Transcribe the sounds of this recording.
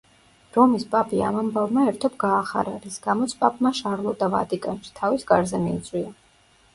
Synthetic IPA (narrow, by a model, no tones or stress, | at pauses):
ɾɔmispʼapʰʼia̰mambavmaɛɾt̪ʰɔbɡaːχa̰ɾaɾisɡamɔt̪sʰpʼapʼmaʃaɾlˠɔd̪ava̰t̪ʼikʼanʃi̥t̪ʰavisɡaɾzɛmḭːt̪sʼwia